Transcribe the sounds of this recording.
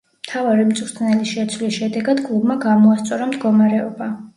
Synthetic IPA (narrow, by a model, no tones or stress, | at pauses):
m̥t̪ʰavaɾimt̪sʼɾt̪ʼnɛlisʃɛt̪sʰwlisʃɛd̪ɛɡad̪kʼlˠubmaɡamɔast̪sʼɔɾamd̪ɡɔmaɾɛɔba